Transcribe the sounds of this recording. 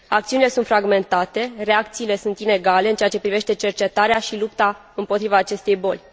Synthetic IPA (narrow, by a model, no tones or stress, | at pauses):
akt̪siunile̞sunt̪fɾaɡme̞nt̪at̪e̞re̞akt̪siːle̞sunt̪ine̞ɡale̞ɨnt͡ʃeat͡ʃe̞pɾive̞ʃt̪e̞t͡ʃe̞rt͡ʃe̞t̪aɾeaʃilupt̪a | ɨmpo̞t̪ɾivaːt͡ʃe̞st̪e̞jbo̞lʲ